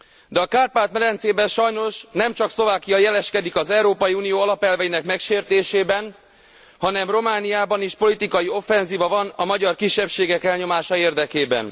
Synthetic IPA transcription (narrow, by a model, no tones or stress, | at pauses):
d̪ɛɒkaːrpaːt̪mɛlɛnt̪seːbɛnʃɒjno̞ʃnɛmt͡ʃɒkslo̞vaːkijɒjɛlɛʃkɛd̪ikɒzɛuɾoːpɒjiuːnijoːɒlɒpɛlvɛjinɛkmɛkʃeːrt̪eːʃeːbɛn | hɒnɛmro̞maːnijaːbɒniʃpo̞lit̪ikɒjio̞fːɛnziːvɒvɒnɒmɒɟɒrkiʃːɛpʃeːɡɛkɛlɲo̞maːʃɒeːrd̪ɛkeːbɛ̰n